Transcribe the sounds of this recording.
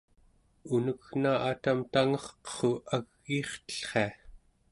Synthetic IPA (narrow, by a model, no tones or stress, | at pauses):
unəknaʔat̪amt̪aŋʌχqə̥χoaɣːiːχt̪ə̥ɬχe̞a